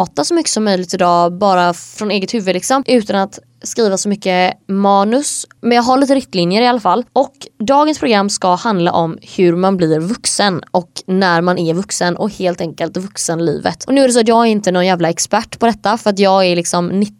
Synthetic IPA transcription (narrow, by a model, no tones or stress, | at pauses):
t̪asɔmʏkːə̥sɔmːœjlɪɡt̪ɪd̪ɑːbɑːɾafɾɔneːɡət̪hʉ̟vːəlɪksɔmʔʉ̟ːt̪anat̪ | skɾiːvasɔmʏkːəmɑːnɵsmɛnjɑːɡɦaɾɭiːt̪əɾɪkt̪linjəɾɪalːafalːɔkd̪ɑːɡənspʰɾʊɡɾamːskahand̪la̰ʔɔmhɵɾmanblɪɾvɵksənɔknæɾmanʔæɾvɵksənʔɔ̰heːlt̪ɛŋkəlt̪vɵksənlḭːvə̰t̪ʔɔnʉ̟ːædɛs̬ɔat̪jɑːɡæɾɪnt̪ənɔnjæːvlaɛkspæʈːpʰɔd̪ɛt̪ːafœɾat̪̬jɑːɡælɪksɔmnɪ